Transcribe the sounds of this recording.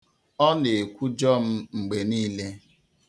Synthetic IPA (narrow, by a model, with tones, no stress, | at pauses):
ɔ˦ne˨e˨kʷu˦d͡ʒɔ˦m̩˦ŋ͡m̩˨ɡ͡be˨niː˦le˦